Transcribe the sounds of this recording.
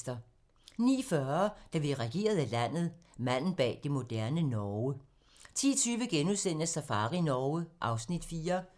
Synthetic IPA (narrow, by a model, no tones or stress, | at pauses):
d̥ɐ | nḭːfɶɐd̥æʋiʁɛɡ̥e̝̰ːɐð̞̩ˠælæn̰ð̞̩ˠmæn̰n̩b̥ɛ̰ːd̥e̝mo̝d̥æɐnənɒʊə | t͡sʰḭːɐt͡sʰyːʋəɡ̥enuðˠsen̰əsæfɑ̈ːʁinɒəʔɑ̈ʊsnid̥fiːɐ